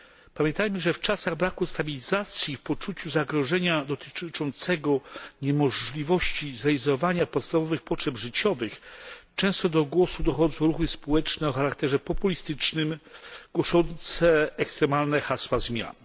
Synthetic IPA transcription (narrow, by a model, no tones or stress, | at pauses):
pamʲjɛ̃nt̪ajmɘʐɛft͡ʂasaɣbɾakust̪abʲilʲizat̪sʲjifpɔt͡ʂut͡ɕuzaɡɾɔʐɛɲad̪ɔt̪ɘ̥t͡ʂɔnt̪sɛɡɔɲɛmɔʐlʲivɔɕt͡ɕizaizɔɔvaɲapɔt̪st̪avɔvɘxpɔtʂɛbʐɘt͡ɕɔvɘxt͡ʂɛ̃w̃st̪ɔd̪ɔɡwɔsud̪ɔxɔd̪zɔw̃ɾuxɘspɔwɛt͡ʂnɛɔxaɾakt̪ɛʐɛpɔpulʲist̪ɘt͡ʂnɘmɡ̥wɔʂɔnt̪sɛɛkst̪ɾɛmalnɛxaswazmʲja̰n